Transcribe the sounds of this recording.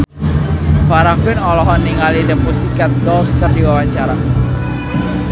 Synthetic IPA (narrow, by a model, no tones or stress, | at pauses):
faɾakuɪnɔlɔɦɔnːiŋalidəpusikat̪̚dɔlskərdiwawaɲt͡ʃaɾa